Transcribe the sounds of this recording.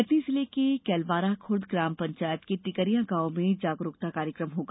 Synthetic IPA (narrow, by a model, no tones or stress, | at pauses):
ɪt̪nizɪlekekɛːlʋaːɾakʰʊɾd̪ɡɾaːmpɐ̃ɲt͡ʃaːjət̪keʈɪkəɾijãɡaːomẽd͡ʒaːɡɾʊkt̪akaːɾjəkɾəmɦoːɡaː